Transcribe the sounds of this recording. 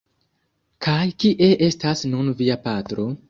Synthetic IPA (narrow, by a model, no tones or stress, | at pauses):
kʰajkiʔe̞ʔe̞stasnunviapatɾo̞